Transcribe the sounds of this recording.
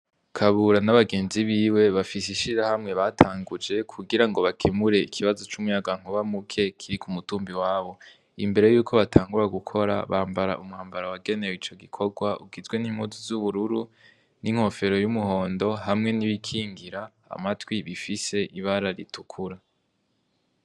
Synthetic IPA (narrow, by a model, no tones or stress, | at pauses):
kʰaβuɾanaβaɡe̞ːnziβiːwe̞βafisiʃiɾahamŋe̞βatʰaːŋɡud͡ʒe̞kʰuɡiɾaŋɡo̞βakʰimuɾe̞ikʰiβazo̞t͡ʃumujaɡaŋ̥uβamukʰe̞kʰiɾikumutuːmbiwaːβo̞ | imbe̞ɾe̞juːkʰo̞βatʰaːŋɡuɾaɡukʰo̞ɾa̰βaːmbaɾa̰ʔumuhaːmbaɾawaɡe̞ne̞jwit͡ʃo̞ɡikʰo̞ɡwaʔṵɡizɡwe̞nimuzizuβuɾuɾu | niŋ̥ho̞fe̞ɾo̞jumuho̞ːndo̞ɦamŋe̞niβikʰiːŋɡiɾa̰ː | matwiβifise̞ʔiβaɾaɾitʰukʰuɾa